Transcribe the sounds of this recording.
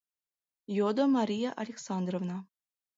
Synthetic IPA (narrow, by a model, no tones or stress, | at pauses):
jod̪omɑɾʲijaʔɐlʲeksɑnd̪rovnɑ